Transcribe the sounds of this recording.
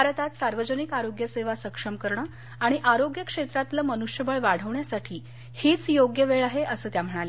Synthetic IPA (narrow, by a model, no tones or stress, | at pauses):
bʱaɾət̪at̪saɾʋəd͡ʑənikaɾoɡjəseʋasəkʂəmkəɾɳə | aɽ̃iʔaɾoɡjəkʂet̪ɾat̪ləmənuʂjəbəɭʋaɽ̤əʋɳjasaʈʰiː | hit͡sjoɡjəʋeɭaɦeʔəsəːt̪jam̤əɽ̃ale